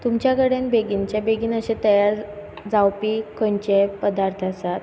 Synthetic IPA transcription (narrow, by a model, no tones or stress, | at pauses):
t̪umt͡ɕjakəɽenbeɡint͡ɕabeɡiːnəɕẽt̪əjaɾ | d͡zawpikəɲt͡ɕepəd̪aɾt̪ʰasat̪̚